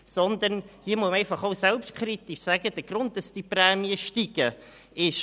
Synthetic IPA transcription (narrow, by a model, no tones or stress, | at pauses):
sɔnd̪ənhiəmuməɛɪfɑχoʊsɛlpʃtkʰɾit̪ɪʃsæɡ̥əd̥əɡ̥ɾʊnt̚d̥ɑsd̥iprɛːmiəʃtiɡ̥ə | ɪʃ